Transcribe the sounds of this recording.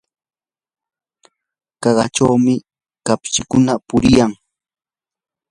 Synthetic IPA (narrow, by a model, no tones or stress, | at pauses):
kɑɢɑ̰ʈ͡ʂawmɪ | kapʃɪkʊnapʊɾɪjaŋ